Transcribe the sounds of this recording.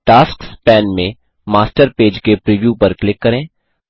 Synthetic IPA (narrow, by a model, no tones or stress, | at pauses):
ʈaːskspɛːnmẽ | maːsʈəɾpeːd͡ʒkepɾiːʋjupɐɾklɪkːɐɾẽː